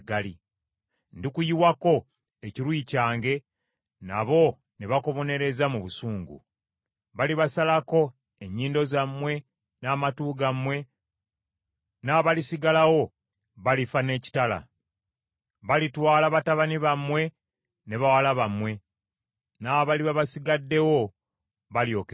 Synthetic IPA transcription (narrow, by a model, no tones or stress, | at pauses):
ɡali | ndikujiwako̞ | eciɾwuicaːŋɡe̞ | na̰βo̞ | neβako̞βo̞ne̞ɾe̞zamuβusuːŋɡṵ | βaliβasalako̞ | e̞ɲːiːndo̞zamːwe̞ | naːmatuːɡamwe̞ | naːβalisiɡalawo̞ | βalifane̞ːci̥tala̰ | βalitwaːlaβataβaniβamwe̞ | ne̞βawalaβamwe̞ | naβaliβaβasiɡadːe̞wo̞ | βaljo̞k